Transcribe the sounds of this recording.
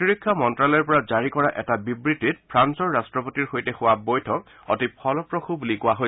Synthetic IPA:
iɹikʰːɔmɔntɹalɛɹpɔɹazaɹikɔɹaʔɛtabibɹitːit̚pʰɹansɔɹːastɹɔpotiɹxojtɛxʊwabojtʰɔk̚ | ɔ̰tipʰɔlɔpɹɔxubulikʊwaɦo

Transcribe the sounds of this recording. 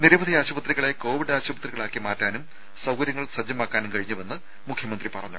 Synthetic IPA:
niɾɐʋɐd̪ʱiaːɕubɐt̪riɣɐɭe̞ko̞ːʋiɖaːɕubɐt̪riɣɐɭaːkːimaːtːaːnum | sɐwkɐɾjɐŋːɐɭsɐd͡ʑːɐmaːkːaːnumkɐɻiɲːuʋe̞nːɨ | mukʰjɐmɐnd̪ripɐrɐɲːṵ

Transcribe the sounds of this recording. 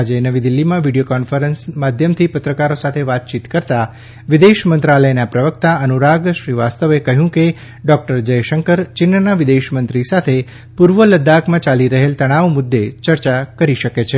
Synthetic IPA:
ad͡ʒenəʋid̪ɪlːimãʋiɖijokɔnfəɾənsmad̪ʱjəmt̪ʰipət̪ɾəkaɾosat̪ʰeʋat̪̚t͡ʃit̪kəɾt̪a | ʋɪd̪eʃmənt̪ɾaləjnapɾəʋəkt̪aənuɾaɡʃɾiʋast̪əʋekəɦjũke | ɖɔk̚ʈəɾd͡ʒəjʃəŋkəɾt͡ʃɪnːənaʋɪd̪eʃmənt̪ɾisat̪ʰe | puɾʋələd̪akmãt͡ʃaliɾəɦelt̪əɽ̃aʋmʊd̪ːet͡ʃəɾt͡ʃakəɾiʃəket͡ʃʰe

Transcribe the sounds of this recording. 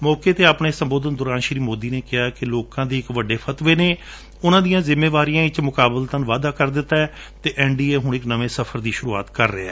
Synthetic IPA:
mɔːkeːt̪eːapɳeːsəmboːd̪ənd̪ʊɾãːnʃɾiːmoːd̪iːneːkɪjaːkɪloːkãːd̪eːɪkʋəɖːeːpʰət̪ʋeːneː | ʊnãːd̪ijãːzɪmːeːʋaːɾijãːɪt͡ʃmʊkaːbəlt̪ənʋaːd̪aːkəɾd̪ɪt̪ːaːɛː | t̪eːʔɛːɳɖiːeːɦʊɳɪknəʋeːsəpʰəɾd̪iːʃʊɾuːa̰ːt̪kəɾːeːɛː

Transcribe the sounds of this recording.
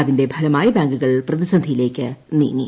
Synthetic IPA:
ɐðinde̞bʱɐlɐmaːjɐbaːŋɡuɣɐɭprɐðisɐnd̪ʱijile̞ːkʲːɨnḭːŋːḭ

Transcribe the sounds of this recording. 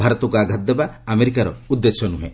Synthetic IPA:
bʱaɾɔt̪ɔkɔaɡʱat̪̚d̪ebaːmeɾikaɾɔ̰ud̪ːesɔnuɦḛ̃

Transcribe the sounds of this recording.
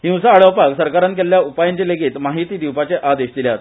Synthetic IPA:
hĩw̃saːɭəʋpaksəɾkaɾank̬elljaupajənt͡ɕeleɡiːt̪maɦit̪iːd̪iwpat͡ɕeʔad̪eɕd̪iljat̪

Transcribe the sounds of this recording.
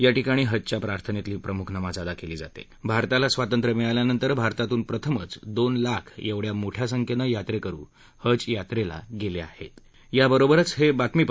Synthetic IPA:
jaʈikaɽ̃iːɦəd͡zt͡ɕjapɾaɾt̪ʰənet̪iliːpɾəmukʰnəmad͡zad̪akeliːd͡za̰t̪ḛ | bʱaɾt̪alasʋat̪ənt̪ɾəmiɭaljanənt̪əɾbʱaɾt̪at̪uːnpɾət̪ʰəmə̰t͡sd̪onlakʰjeʋɽjamoʈʰjasəŋkʰənəjat̪ɾekəɾṵː | həd͡zjat̪ɾela̰ɡelea̰hḛt̪ | jabəɾobəɾət͡sɦebat̪miːp

